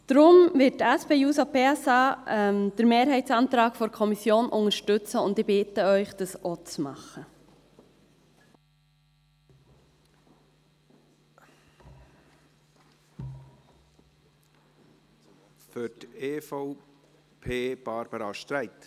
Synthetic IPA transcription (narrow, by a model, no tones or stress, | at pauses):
d̪̥ɾʊmvɪttæspeːjuːsopeːɛsɑːɛmd̪̥əɾmeːɾɦɛɪtsɑːnt̪ɾɑːkfɔɾkʰɔmisjoːnʔʊŋəʃtʏt͡səʊndɪbɪtəœʏχd̥ɑsʔot͡smɑ̰χə | fʏteːfɔʊ | pʰeːb̥ɑɾb̥əɾɑʃtɾɛɪt̪